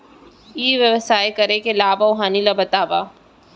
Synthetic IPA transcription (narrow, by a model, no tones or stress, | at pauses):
iːʋjɐʋəsaːjekɐɾekelaːbaʊɦaːnilabɐt̪aːbaː